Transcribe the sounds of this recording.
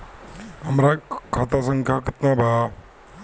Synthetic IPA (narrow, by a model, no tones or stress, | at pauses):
amɾakʰat̪asʌŋkʰakɯt̪naba